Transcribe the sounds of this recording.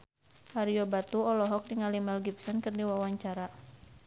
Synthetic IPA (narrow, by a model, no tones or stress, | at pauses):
haɾiɔbat̪uɔlɔɦɔk̚diŋalimɛlɡip̚sɔnkɨrdiwawaɲt͡ʃaɾa